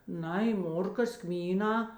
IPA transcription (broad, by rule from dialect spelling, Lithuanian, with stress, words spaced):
ˈnɐɪ ˈmoːrkɐs ˈkmʲiːˌnɑː